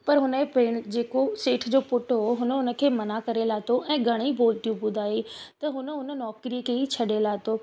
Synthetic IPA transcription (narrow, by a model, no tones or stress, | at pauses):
pɐɾɦʊnəepeːɽ̃d͡ʑeːkoseːʈʰd͡ʑoːpʊʈʰoɦʊnəʊnə̆kʰeːmɐnakɐɾelaːt̪ʰoʔɛ̃ːɡʱɐɽ̃iboːlt̪ijũpʊ̃d̪aːɦet̪ɐɦʊnəʊnə̆nɔːkɾiəkʰeːit͡ɕʰɐɗelaːt̪oː